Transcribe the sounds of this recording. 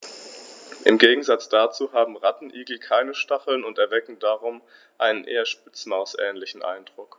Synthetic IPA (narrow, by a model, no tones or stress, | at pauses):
ʔɪmɡeːɡŋ̩zat͡sd̥at͡suːɦaːbm̩ʁatn̩ʔiːɡl̩kʰaɪnəʃtaχl̩nʊntɛɐvɛkŋ̩daːʁʊm | ʔaɪnənʔeːɐʃpɪt͡smaʊsʔɛ̰ːnlɪçn̩ʔa̰ɪndʁʊk